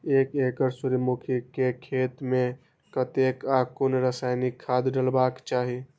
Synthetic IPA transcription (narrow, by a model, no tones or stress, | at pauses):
eːkekəɾsuɾmukʰikekʰet̪mẽ | kət̪ekakunɾəsaːɪnikʰːad̪ɖəlbakt͡ʃaːɦi